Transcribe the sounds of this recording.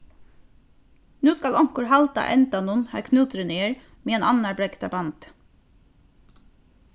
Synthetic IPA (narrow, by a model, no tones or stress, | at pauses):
nuːskɑlɔŋkəɹhɑlt̪ɑ̰ʔɛ̰nt̪ɑnʊnhæ̰ːkʰnʉːt̪ɾəneːɹ | meːeːnʔɑnɑɹbɹɛɡt̪ɑbɑnt̪